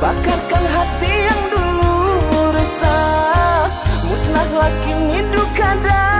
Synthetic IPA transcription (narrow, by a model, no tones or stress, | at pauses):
bakankanɦat̪ijaŋduluɾəsa | musnahlakinindukada